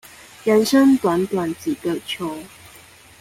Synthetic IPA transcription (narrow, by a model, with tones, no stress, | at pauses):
jɛ˨˥nʂə˥ŋt̪wa˨˦˥nt̪wa˨˩nt͡ɕi˨˩kə˨t͡ɕʰjo˨˧˦ʊ